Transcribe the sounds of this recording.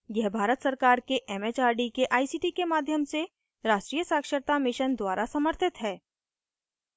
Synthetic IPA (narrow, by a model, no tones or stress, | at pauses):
jɛɦbʱaːɾət̪səɾkaːɾkeʔɛmet͡ʃaːɾɖikeʔaːisiːʈikemaːd̪ʱjəmse | ɾaːʃʈɾiːjəsaːkʃəɾt̪amɪʃənd̪waːɾasɐməɾt̪ʰɪt̪ɦɛː